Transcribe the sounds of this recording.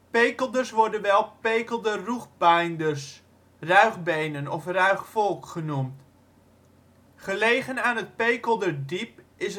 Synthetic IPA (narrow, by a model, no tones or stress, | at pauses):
pejkəlˠdəɹsʋɔɹdənʋɛlˠpejkəlˠdəruχbajndərs | rœɥχbejnənɔfrœɥχfɔlˠkχənumt | χəlejχənaːnət̚pejkəlˠdədip̚ | ɪs